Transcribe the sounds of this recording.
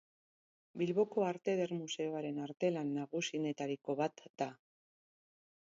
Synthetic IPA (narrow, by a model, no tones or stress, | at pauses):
bilβo̞ko̞aɾt̪e̞ðe̞ɾmuse̞oaɾe̞naɾt̪e̞lanːaɣ̞usine̞t̪aɾiko̞βat̪d̪a